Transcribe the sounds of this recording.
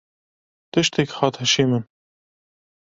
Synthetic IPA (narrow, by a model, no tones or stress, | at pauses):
t̪ɨʃt̪ɛkhɑːt̪hɨʃiːmən